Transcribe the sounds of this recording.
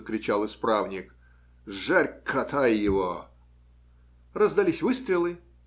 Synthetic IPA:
əkɾʲɪt͡ɕalˠɨspɾavnʲɪk | ʐarʲkʰɐt̪ʰajjɪvo | rəzd̪ɐlʲisʲvɨst̪ɾʲɪlˠɨ

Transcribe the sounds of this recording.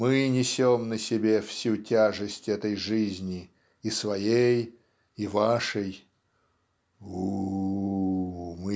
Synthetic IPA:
mɨnʲɪsʲomnəsʲɪbʲefsʲutʲaʐɨsʲtʲɛt̪əjʐɨzʲnʲɪ | ɪsvɐjej | ɪvaʂəj | u | mɨ

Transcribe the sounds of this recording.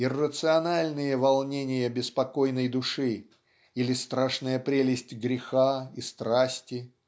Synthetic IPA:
ɪrːət̪sɨɐnalʲnɨjəvɐlˠnʲenʲɪjəbʲɪspɐko̞jnəjd̪ʊʂɨ | ilʲɪst̪ɾaʂnəjəpɾʲelʲɪsʲtʲɡɾʲɪxaist̪ɾasʲtʲɪ

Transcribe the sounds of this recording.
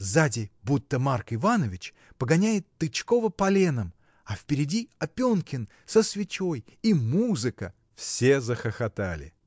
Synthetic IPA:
zadʲɪbut̪ːəmarkɪvanəvʲɪt͡ɕ | pəɡɐnʲæjɪt̪ːɨt͡ɕko̞vəpɐlʲenəm | ɐfpʲɪɾʲɪdʲiɐpʲonkʲɪn | səsvʲɪt͡ɕojimuzɨkə̰ | fsʲe̞zəxəxɐt̪alʲɪ̰

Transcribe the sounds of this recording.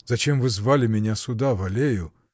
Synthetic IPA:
z̥ɐt͡ɕemvɨzvalʲɪmʲɪnʲasʊd̪avɐlʲejʊ

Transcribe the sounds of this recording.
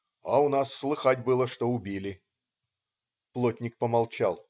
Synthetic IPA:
aʊnasːlˠɨxatʲbɨlˠəʂt̪o̞ʊbʲilʲɪ | plˠotʲnʲɪk̚pəmalˠt͡ɕa̰lˠ

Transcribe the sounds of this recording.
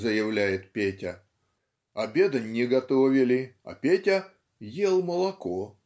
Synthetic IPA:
zəjɪvlʲæjɪt̪̚pʲetʲɐ | ɐbʲed̪ɐnʲːɪɡɐt̪oɔvʲɪlʲɪɐ̰pʲetʲɐ | jelˠməlˠɐko

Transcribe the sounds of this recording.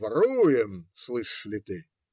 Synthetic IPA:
vɐɾujɪmslˠɨʂlʲɪt̪ɨ

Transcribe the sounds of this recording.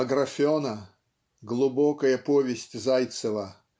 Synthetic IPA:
ɐɡɾɐfʲonə | ɡlˠʊbɔkəjəpovʲɪsʲtʲzajt̪səvə

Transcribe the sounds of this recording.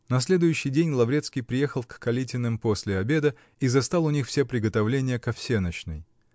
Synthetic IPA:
nɐsʲlʲe̞d̪ʊjʉɕːɪjdʲenʲlˠɐvɾʲet̪skʲijpɾʲɪje̞xəlˠkkɐlʲitʲɪnɨmposʲlʲɪɐbʲe̞d̪ə | izɐst̪alˠʊnʲixfsʲepɾʲɪɡət̪ɐvlʲenʲɪjəkɐfsʲe̞nət͡ɕnɨ̰j

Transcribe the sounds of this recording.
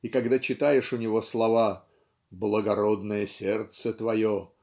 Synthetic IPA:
ikɐɡd̪at͡ɕɪt̪ajɪʂʊnʲɪvo̞slˠɐva | blˠəɡɐɾo̞d̪nəjəsʲert̪sət̪vɐjo

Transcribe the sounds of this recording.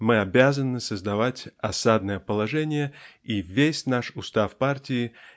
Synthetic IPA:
mɨɐbʲazənɨsəzd̪ɐvatʲɐsad̪̚nəjəpəlˠɐʐɛnʲɪjəivʲesʲnaʂʊst̪afpartʲɪɪ

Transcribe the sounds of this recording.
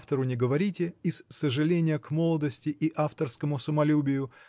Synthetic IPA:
ft̪əɾʊnʲɪɡəvɐɾʲitʲɪɪsːəʐɨlʲenʲɪjəkmo̞lˠəd̪əsʲtʲɪʔiʔaft̪ərskəmʊsəmɐlʲubʲɪjʊ

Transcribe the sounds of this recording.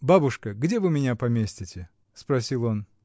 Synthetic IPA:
babʊʂkəɡdʲe̞vɨmʲɪnʲapɐmʲesʲtʲɪtʲɪ | spɾɐsʲilˠo̞n

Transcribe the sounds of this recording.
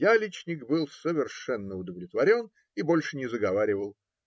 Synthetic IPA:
jalʲit͡ɕnʲɪkbɨlˠsəvʲɪrʂɛnːəʊd̪əvlʲɪt̪vɐɾʲo̞n | ibo̞lʲʂɨnʲɪzəɡɐvaɾʲɪvəlˠ

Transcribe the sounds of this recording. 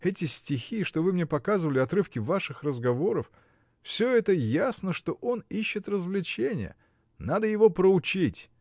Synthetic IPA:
ɛtʲɪsʲtʲɪxʲiʂt̪o̞vɨmnʲepɐkazɨvəlʲɪɐt̪ɾɨfkʲɪvaʂɨxrəzɡɐvo̞ɾəf | fsʲɵɛt̪əjasnəʂt̪o̞ʔo̞niɕːɪt̪rəzvlʲɪt͡ɕenʲɪ̰jə̰ | nad̪əjɪvo̞pɾəʊt͡ɕitʲ

